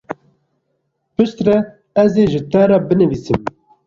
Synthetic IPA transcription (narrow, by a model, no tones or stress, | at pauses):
pɨʃt̪rɛ | ɛzeːʒɨt̪æɾɑːbɨnɨviːsɨm